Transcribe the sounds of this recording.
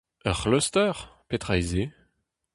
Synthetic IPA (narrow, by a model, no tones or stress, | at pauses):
œʁlɔst̪œʁpet̪ʁajze